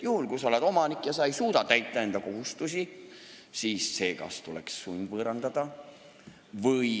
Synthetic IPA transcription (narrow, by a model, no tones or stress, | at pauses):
juhulkusɑo̞led̪o̞mɑnikːˑjɑsɑejsuːd̪̥ɑt̪æjt̪ːˑɑe̞nd̪ɑko̞ɦust̪usi | siːsːe̞ːkɑ̰st̪ulḛksːujnʲvɤːɾɑnd̪ɑd̪̥ɑ | vɯj